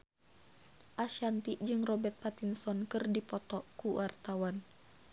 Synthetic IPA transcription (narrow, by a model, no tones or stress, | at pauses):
ʔaʃant̪iʔd͡ʒɨŋrɔbɛrt̪̚pat̪insɔnkɨrdipɔt̪ɔʔkuwʔart̪awan